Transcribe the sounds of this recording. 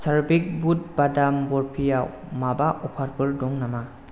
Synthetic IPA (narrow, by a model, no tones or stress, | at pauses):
saɾbik̚but̚badambɔɾpʰija | mabaʔɔpʰaɾbɯɾdɔŋnama